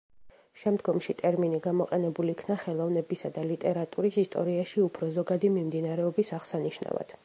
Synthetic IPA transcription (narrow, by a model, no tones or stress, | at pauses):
ʃɛmd̪ɡɔmʃit̪ʼɛɾminiɡamɔqʼɛnɛbulikʰnaχɛlˠɔvnɛbisad̪alit̪ʼɛɾat̪ʼuɾisist̪ʼɔ̰ɾiaʃiupʰɾɔzɔɡad̪imimd̪inaɾɛɔbisaʁsaniʃna̰va̰d̪̥